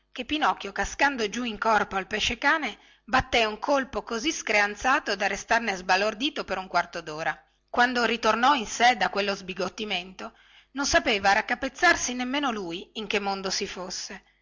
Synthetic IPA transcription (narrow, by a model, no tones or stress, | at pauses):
kepːinɔkːjokaskand̪od͡ʒuiŋkɔrpoalpeʃːekaːne | bat̪ːeuŋkʰolpokoziskɾeant̪saːt̪od̪arest̪arnezbalord̪iːt̪opeɾuŋkwart̪od̪oːɾa | kwand̪oɾit̪ornɔinsed̪akwelːozbiɡot̪ːiment̪o | nonsapeːvaɾakːapet̪sːarsinemːeːnolujiŋk̟emːond̪osifosːe